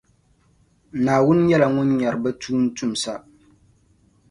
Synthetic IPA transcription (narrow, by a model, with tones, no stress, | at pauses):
naː˨wʊ˦n˦jɛ˦la˨ŋʊ˦nɲa˨ɾɨ˨ba˦tuː˦n̩˦tu˦m̩˨sa˦